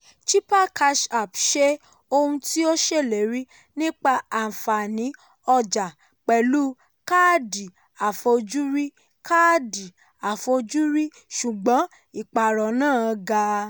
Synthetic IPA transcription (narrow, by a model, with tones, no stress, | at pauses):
t͡ʃi˦pa˦˨ka˧ʃa˨pʃe˦ | o˧hũ˧ti˦o˦ʃe˦˨le˨˦ɾi˦ | nĩ˦k͡pa˧ã˨fa˨nĩ˨˦ | ɔ˧d͡ʒa˨ | k͡pɛ˨lu˦ | ka˦di˨ | a˨fo˧d͡ʒu˦ɾi˦ | ka˦˨di˨ | a˨fo˧d͡ʒu˦ɾi˦ | ʃu˨ɡ͡bɔ̃˨˦ | i˨k͡pa˨ɾɔ˨nãː˦˨˧ɡa˧